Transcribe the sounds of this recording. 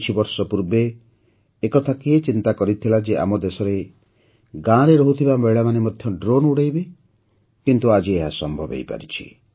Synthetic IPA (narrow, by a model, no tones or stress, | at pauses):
t͡ʃʰibɔɾsɔpuɾbeː | kɔt̪ʰakeːt͡ʃint̪akɔɾit̪ʰilad͡ʒeʔa̰mɔd̪esɔɾe | ɡãɾeɾɔɦut̪ʰibameɭamanemɔd̪ʱjɔɖɾonuɽajbe | kint̪uad͡ʒieɦasɔmbʱɔbḛjpa̰ɾit͡ʃʰḭ